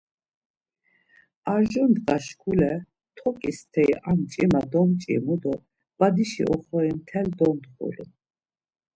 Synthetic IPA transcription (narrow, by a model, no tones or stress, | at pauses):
aɾʒɔnd̪qʼaʃkʰulɛ | t̪ʰɔkʼist̪ʰɛiʔamt͡ʃʼimad̪ɔmt͡ʃʼḭmud̪ɔ | b̥ad̪iʃḭʔɔχɔimt̪ʰɛld̪ɔnd̪χṵlḭ